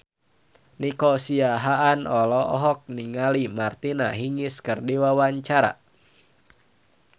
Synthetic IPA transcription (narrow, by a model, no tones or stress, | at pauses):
nikɔsiaɦaʔanɔlɔʔɔ̰ɦɔk̚niŋalimart̪ina̰ɦiŋiskɨrdiwawaɲt͡ʃaɾa̰